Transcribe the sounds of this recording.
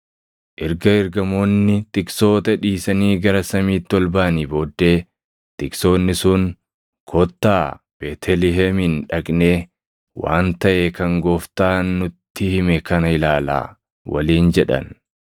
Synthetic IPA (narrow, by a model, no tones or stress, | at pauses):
ʔɛɾɡɐɪɾɡɐmo̞ːnːɪt̪ɪkso̞ːt̪ɐᶑiːsɐniːɡɐɾɐsɐmiːt̪ːɪɔlbaːniːbo̞ːd̪ːe̞ː | t̪ɪkso̞ːnːɪsʊn | kʰɔt̪ːaː | b̥eːt̪ʰɛlɪɦɛmɪnᶑɐkʼneː | wa̰ːnt̪ɐʔeːkɐŋɡoːft̪aːnːʊt̪ːɪhɪmɛkɐnɐhɪlaːla̰ː | wɐ̰liːnd͡ʒɛᶑɐ̰n